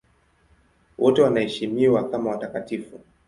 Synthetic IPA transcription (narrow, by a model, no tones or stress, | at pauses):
wʔɔtɛwanahɛʃimiwakamawatakatifu